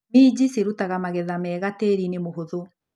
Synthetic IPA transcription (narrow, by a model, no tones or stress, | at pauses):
mid͡ʑiseɾutaɣamaɣɛðamɛːɣateɾinemoɦoðo